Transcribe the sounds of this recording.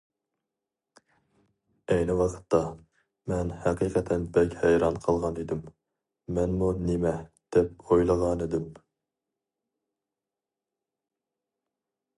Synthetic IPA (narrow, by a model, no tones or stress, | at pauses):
ɛjnɪwɑqʰə̥t̪ʰːɑ | mɛnhæqiqʰɛt̪ʰɛnbɛkʲhɛjɾɑnqʰəlˠʁɑned̪ɪmː | ɛnmunemɛd̪̥ɛp̚ojlˠəʁɑned̪ɪm